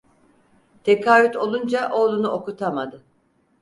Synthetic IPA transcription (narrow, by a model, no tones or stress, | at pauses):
t̪ʰekʰaːvyt̪ʰo̞lˠund͡ʒaʔo̞ːlˠunuʔo̞kut̪ʰamad̪ɯ